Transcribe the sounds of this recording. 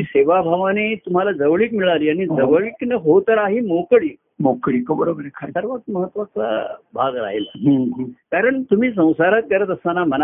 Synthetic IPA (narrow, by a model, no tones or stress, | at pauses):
iseʋabʱaʋanet̪um̤alad͡zəʋɭiːʈmiɭaɾiːaɽ̃id͡zəʋɭiːʈnəɦot̪əɾaɦiːmokɭiː | mokɭikəbəɾobəɾekʰasəɾʋət̪məɦət̪ʋat͡sa̰bʱaɡɾa̰ɦela̰ɦə̃ɦə̃kaɾəɳt̪um̤iːs̬ə̃w̃saɾat̪̚kəɾət̪əst̪anaməna